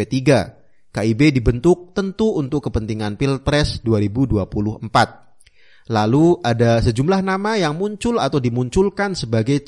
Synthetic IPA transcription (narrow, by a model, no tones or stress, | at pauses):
et̪iɡa | kaibedibənt̪ʊk̚t̪ənt̪uːnt̪ʊkːəpənt̪iŋanpil̚pɾɛsduaɾibuduapulʊhəmpat̪̚ | laluʔadasəd͡ʒumlahnamajaŋmuɲt͡ʃʊlat̪awdimuɲt͡ʃʊlkansəbaɡaj